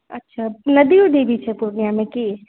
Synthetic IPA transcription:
ɐ̰tːʃʰanɐd̪iud̪eːʋit͡ʃʰepuɾnijamẽki

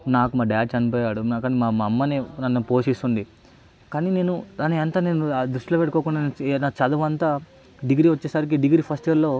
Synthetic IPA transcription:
naːkumaːɖɐjaːʈt͡ʃɐnipoːjaːɽukaːnimaːmɐɐmːɐneːnɐnːupoːʃiːst̪unɖ̪i | kaːnine̞ːnud̪aːniɐnt̪aːne̞ːnud̪ɾuʂʈilopeʈːukoːkuɳɖannaːt͡ʃɐd̪ɐʋɐnt̪aː | ɖiɡɾiʋɐt͡ʃːeːsɐɾik̬iɖiɡɾipʰɐsʈiʋɐɾlo̞ː

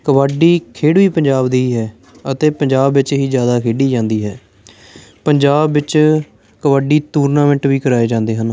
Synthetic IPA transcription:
kəʋaːɖiːkʰeːɽʋiːpəɲd͡ʒaːbd̪iːɦɛː | ət̪eːpəɲd͡ʒaːbʋɪt͡ʃɦiːzjaːd̪aːkʰeːɖiːd͡ʒãːnd̪iːɦɛː | pəɲd͡ʒaːbʋɪt͡ʃ | kəʋaːɖiːt̪uːɾnaːmɛ̃ɳʈʋiːkəɾaːeːd͡ʒãːnd̪eːɦən

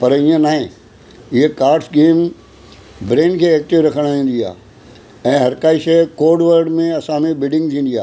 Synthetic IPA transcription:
pɐɾijə̃naːɦẽ | ɪɦekaːɾɖsɡeːm | bɾeːnkʰeːeːk̚ʈ̪ɪʋɾɐkʰəɽ̃ʋĩːn̆d̪ia̰ː | ɛ̃ːɦɐɾkaːiʃɐkoːɖʋəɾɖmẽɐsãmẽbɪɖɪ̃ŋɡ̚t̪ʰĩːn̆d̪ia̰ː

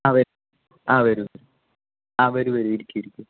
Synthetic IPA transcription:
aːʋɐɾ | aːʋɐɾuʋɐɾu | aːʋɐɾuʋɐɾuiɾikʲːuiɾikʲːu

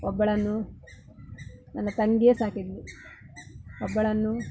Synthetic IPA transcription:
ɔbːɐɭɐnːu | nɐnːɐt̪ɐŋɡesaːkid̪li | ɔbːɐɭɐnːu

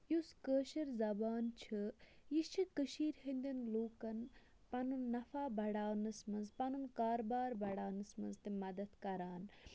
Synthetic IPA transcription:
juskəːʃɐɾzɐbaːnt͡ʃʰɨjit͡ʃʰikəʃiːɾhɐnʲd̪inloːkɐn | pɐnunːɐfaːbɐɽaːwnɨsmɐnzpɐnunkaːɾbaːɾbɐɽaːwnɨsmɐnzt̪imɐd̪ɐt̪kɐɾaːn

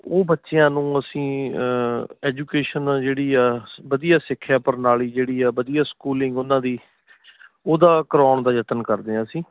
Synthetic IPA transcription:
oːbətːʃejãːnũːəsĩː | ɛːd͡ʒuːkeːʃənːd͡ʒeːɽiːaːbəd̪ijaːsɪkʰːjaːpəɾnaːliːd͡ʒeːɽiːaːbəd̪ijaːskuːlɪ̃ŋɡʊnãːd̪iː | oːd̪aːkəɾɔːɳd̪aːjət̪ənkəɾd̪eːãːsĩː

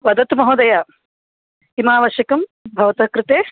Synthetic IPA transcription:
ʋɐd̪ɐt̪umɐɦod̪ɐjɐ | imaːʋɐʃjɐkɐmbʱɐʋɐt̪ɐkɾɪt̪eː

